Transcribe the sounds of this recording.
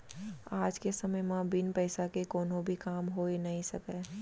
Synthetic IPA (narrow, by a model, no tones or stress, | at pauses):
aːd͡ʒkesɐməjmãbɪnpɛːsakekɔːnõbʱikaːmɦoenɐɦĩsɐkeː